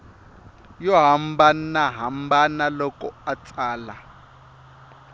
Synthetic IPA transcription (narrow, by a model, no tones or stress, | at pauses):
jɔɦambanaɦambanalɔkɔat͡saːla